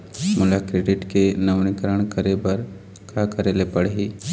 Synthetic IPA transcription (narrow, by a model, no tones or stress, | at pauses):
mʊlakɾeːɖɪʈkenɐʋnɪkəɾəɽ̃kəɾebɐɾ | kʰakɐɾeːlepɐɽ̤iː